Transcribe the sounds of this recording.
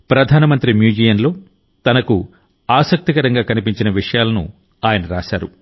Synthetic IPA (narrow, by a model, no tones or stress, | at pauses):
pɾɐd̪ʱaːnɐmɐnt̪ɾimjuːd͡ʒiːjɐnlo̞ː | t̪ɐnɐku | aːsɐk̚t̪ikɐɾɐŋɡaːkɐnipiɲt͡ʃinɐʋiʂɐjaːlɐnṵ | aːjɐnɐɾa̰ːʃaːɾṵ